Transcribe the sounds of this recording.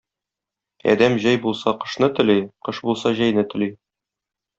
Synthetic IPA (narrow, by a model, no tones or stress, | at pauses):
ɒ̰d̪æmʑæjbulˠsɑqɤ̆ʃnɤt̪ɵ̆liqɤ̆ʃbulˠsɑʑæjnɘt̪ɘ̆li